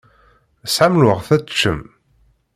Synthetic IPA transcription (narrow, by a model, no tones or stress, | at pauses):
sʕamlʊʁθæt͡sːt͡ʃːəm